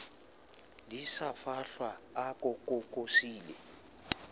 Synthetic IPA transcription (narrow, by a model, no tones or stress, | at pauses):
disafaɬwaakʼʊkʼɔʊkʼosiːlɛ